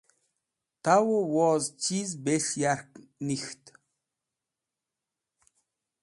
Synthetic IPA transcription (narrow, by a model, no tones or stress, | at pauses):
t̪ʰawowɔːzt͡ʃʰizbeɬjarknixt̪